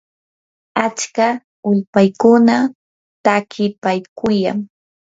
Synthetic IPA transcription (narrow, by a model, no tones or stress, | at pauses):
at͡ʃka | ʊʎpajkʊna | t̪akʰɪpajkʰʊja̰ŋ